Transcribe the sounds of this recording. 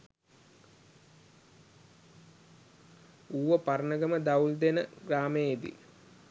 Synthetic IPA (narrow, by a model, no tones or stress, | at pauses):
uːʋəpaɾnəɡəməd̪ɐuld̪enəɡɾaːməjd̪ḭ